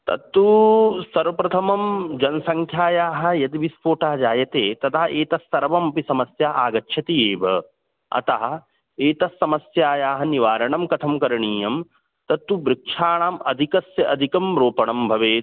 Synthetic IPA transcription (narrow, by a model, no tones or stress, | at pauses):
t̪ɐ̰t̪ːusɐɾʋɐpɾɐt̪ʰɐmɐmd͡ʒɐnsɐŋkʰjaːjaːɦɐ̆jɐt̪ʋispoːʈaːɐd͡ʒaːjɐt̪eːt̪ɐt̪ʰaɦɐeːt̪ɐsːɐɾɐʋɐmɐpisɐmɐsjaːaːɡɐtːʃʰɐt̪ieːbʱɐ | ɐ̰t̪ɐɦɐ̆ | eːt̪ɐsːɐmɐsjaːjaːɦɐniʋaːɾɐɳɐmkɐt̪ʰɐmkɐɾɐɳiːjɐm | t̪ɐt̪ːubɾɪkʂaːɳaːmɐd̪ʱikɐsjɐʔɐd̪ʱikɐmɾoːpɐɳɐmbʱɐʋeː